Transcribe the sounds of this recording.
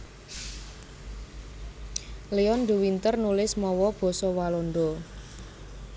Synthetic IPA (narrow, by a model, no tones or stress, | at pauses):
leɔnd̪uwint̪ərnulɪsmɔwɔb̥ɔ̤sɔwalɔnɖ̪ɔ